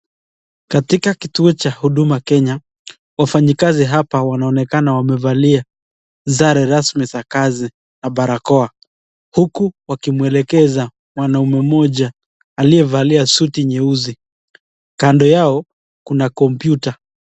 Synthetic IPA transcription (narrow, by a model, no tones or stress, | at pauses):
katikakituɔt͡ʃahuɗumakɛɲa | wafaɲikaziɦapawanaɔnɛkanawamɛvalia | zaɾɛɾasmizakazi | naɓaɾakɔa | hukuwakimuɛlɛkɛza | mwanaumɛmɔʄaː | liɛvaliasutiɲɛuzi | kandɔjaɔ | kunakɔmpjuta